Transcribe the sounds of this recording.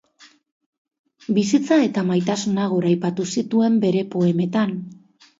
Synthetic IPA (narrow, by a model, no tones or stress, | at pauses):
bisit͡sae̞t̪amajt̪asunaɣ̞o̞ɾajpat̪usit̪ue̞mbe̞ɾe̞po̞e̞me̞t̪an